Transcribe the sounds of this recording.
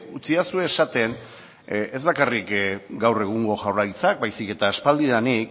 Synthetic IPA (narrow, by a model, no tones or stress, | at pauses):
ut͡siasue̞ːsat̪e̞n | e̞zβakarikɡawre̞ɣ̞uŋɡo̞ʝawrajt͡sakbajsike̞t̪aːspald̪iðanik